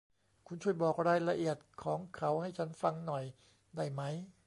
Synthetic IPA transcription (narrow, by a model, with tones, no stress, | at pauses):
kʰu˧˥nt͡ɕʰu˥˩əjbɔː˨˩k̚ɾaː˧jla˧ʔi˨˩ət̪̚kʰɔː˩˦ŋkʰa˩˦wha˥˩jt͡ɕʰa˦˥nfa˧ŋnɔ˨˩j | da˥˩jma˦˥j